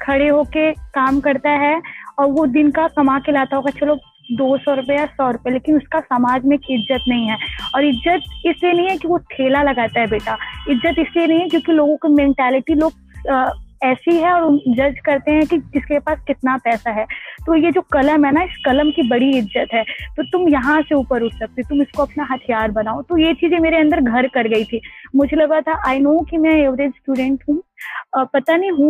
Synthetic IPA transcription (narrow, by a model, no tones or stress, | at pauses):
kʰɐɽeɦoːkekaːmkɐɾt̪aɦɛɔːɾʋod̪ɪnkakɐmakelaːt̪aɦoːɡat͡ʃʰɐloɡ | d̪oːsɔːɾʊpɛjasɔːɾʊpɛeleːkɪnʊskasɐmaːd͡ʒmẽeːkɪzːət̪nɐɦĩɦɛːɔːɾɪzːət̪̚ɪslienɐɦĩɦɛkiʋot̪ʰeːlalɐɡaːt̪aɦɛbeːʈaɪzːət̪ɪslienɐɦĩɦɛkjõːkiloːɡõkimɛ̃ːɳʈɛːlɪʈiloːɡ | ɛːsiɦɛɔːɾʊnd͡ʒɐd͡ʒkɐɾt̪eɦɛ̃kiɪskepaːskɪt̪napɛːsaɦɛːt̪ojed͡ʒoːkɐləmɦɛːnaɪskɐləmkibɐɽiɪzːət̪ɦɛːt̪oːt̪ʊmjɐɦãseuːpəɾʊʈʰsɐk̚t̪et̪ʊmɪskoɐpnaɦɐt̪ʰijaːɾbɐnaːot̪ojet͡ʃiːzẽmeːɾeɐ̃nd̪əɾɡʱɐɾkɐɾɡɐit̪ʰiːmʊd͡ʒʱelɐɡat̪ʰaʔaːɪnoːkimɛ̃eːʋɾeːd͡ʒsʈuːɖɛ̃ɳʈɦũːpɐt̪aniĩɦũ